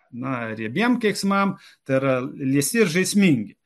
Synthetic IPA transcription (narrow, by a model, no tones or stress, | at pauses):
nɐɾʲiɛbʲiɛmkʲɛɪksmɐm | t̪ɐɪɾɐlʲiɛst̪ʲɪrʒɐɪsʲmʲiŋʲɡʲɪ